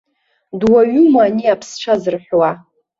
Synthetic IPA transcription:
dwaɥʊmaːniapʰsʈ͡ʂʰazɨrħʷwa

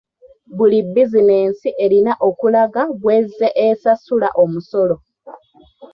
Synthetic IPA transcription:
βulibːizine̞ːnsiʔe̞ɾinaʔo̞kulaɡaβwe̞ːzeʔesasula̰ʔo̞muso̞lo̞

